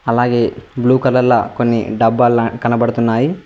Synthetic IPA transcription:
ɐlaːɡe̞ːbluːkɐlɐlːɐko̞nːḭɖɐbːaːlkɐnɐbɐɽut̪unːaːji

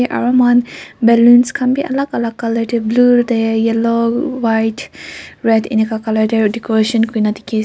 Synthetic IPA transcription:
ʔa̰ɹamanbɛlunskʰambiʔa̰lakalakalətəbludajjɛlowajtɹɛdḭnekakaladədɛkoɾaʃə̃nkuinati̥ki

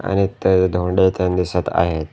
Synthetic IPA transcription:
a̰ñit̪ed̪ʱoɳɖet̪ənd̪isət̪a̰ɦet̪

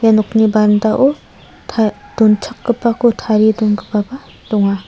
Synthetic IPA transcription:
janɔknibandaʔu | tʰad̥ɔnt͡ʃʰakːɯpːakutʰaɾidonɡɯpaba | dɔŋa

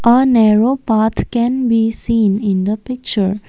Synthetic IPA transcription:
ʔənɛɾoːpaːɾt̪ʰkɛ̃nbiːsĩːnɪ̃nd̪əpɪk̚t͡ʃəɾ

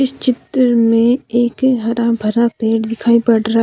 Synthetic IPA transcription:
ɪst͡ʃɪt̪ɾmẽeːkɦɐɾãbʱɐɾapeːʈd̪ɪkʰaːipɐɽɾa

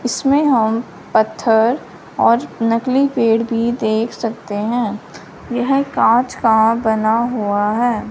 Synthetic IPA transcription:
ɪsmẽɦɐm | pɐt̪ʰːəɾ | ɔːɾnɐklipeːɽbʱid̪eːkʰsɐk̚t̪eɦɛ̃ː | jɐɦkãːt͡ʃkabɐnaɦuaɦɛː

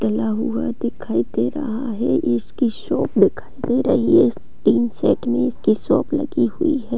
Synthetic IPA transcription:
ʈɐlaɦʊad̪ɪkʰaːit̪eɾɐ̰ɦaɦɛɪskiʃɔːp̚d̪ɪkʰaːit̪eɾɐɦies | ʈiːnsɛːʈmẽɪskiʃɔːplɐ̰ɡihʊiɦɛː

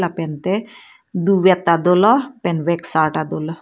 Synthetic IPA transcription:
lapɛnt̪e | d̪uwɛt̪ːad̪olɔpɛnʋeksaʈad̪olɔ

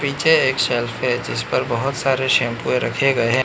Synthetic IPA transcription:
piːt͡ʃʰeeːkʃɛlfɦɛd͡ʒɪspɐɾbɐɦʊt̪saːɾeʃeːmpuːeɾɐkʰeɡɐeɦɛ̃

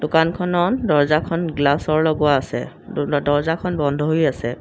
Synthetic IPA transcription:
dʊkankʰɔnɔndɔɹzakʰɔnɡlasɔɹlɔɡwaːsɛ̰ | dɔɹzakʰɔnbɔndʱɔɦojasɛ

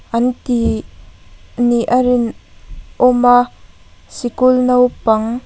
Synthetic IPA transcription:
ʔɐnt̪i | niʔaɾɪnʔɔma | sikʊlnɐwpaŋ

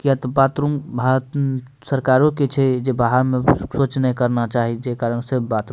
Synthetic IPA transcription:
kijat̪ɔbaːt̪ɾumbʱaɾt̪ | səɾkaːɾõket͡ʃʰɛd͡ʒebaɦəɾmẽsoːt͡ʃnəikəɾnat͡ʃaːɦid͡ʒekaːɾənɡsebbaːt̪ɾ

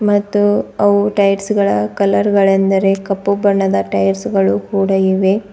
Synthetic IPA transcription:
mɐt̪ːuɐʋuʈɐjʈsɡɐɭɐkɐlɐɾɡɐɭend̪ɐɾe̞kɐpːubɐɳːɐd̪ɐʈɐjɾsɡɐɭukuːɽɐiʋe̞

